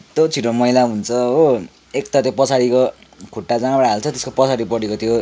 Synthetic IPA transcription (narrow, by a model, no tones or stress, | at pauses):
t̪ot͡sʰiʈomʌilaɦunt͡sʰʌo | ek̚t̪at̪jopʌt͡sʰaɽiko | kʰoʈːad͡zabʌɽaɦalt͡sʰʌt̪eskopʌsʰaɽipʌɽekot̪ʰjo